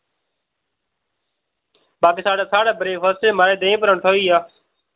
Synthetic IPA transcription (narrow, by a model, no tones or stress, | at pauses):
baːkiːsaːɽãːsaːɽaːbəɾeːʋəseːmaːɾeːd̪ẽːpəɾə̃ɳʈʰoːiːaː